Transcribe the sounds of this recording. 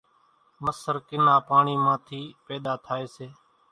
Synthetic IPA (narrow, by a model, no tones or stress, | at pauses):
məsəɾkɪnaːpaːɳiːmãːt̪ʰiːpeːd̪aːt̪ʰaːeːseː